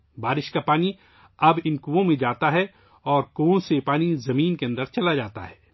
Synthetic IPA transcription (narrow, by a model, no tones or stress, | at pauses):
baːɾɪʃkapaːni | ɐbɪnkuːõmẽd͡ʒaːt̪aɦɛ | ɔːɾkuõsepaːnizɐmiːnkeɐ̃nd̪əɾt͡ʃɐlad͡ʒaːt̪a̰ɦɛː